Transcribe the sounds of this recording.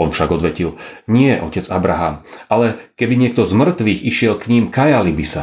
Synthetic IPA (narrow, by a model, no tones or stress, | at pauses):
ɔnfʃaɡɔd̪ʋɛcilɲɪɛʔɔcɛd͡zabɾaɦaːmʔalɛkɛbiɲɪɛk̚t̪ɔzmr̩t̪ʋiːɣiʃɪɛlkɲimkajalibisa